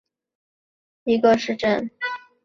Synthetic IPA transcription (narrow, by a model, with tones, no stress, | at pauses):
i˧˥ɡə˧ʂɻ̩˥˧ʈ͡ʂə˥˩n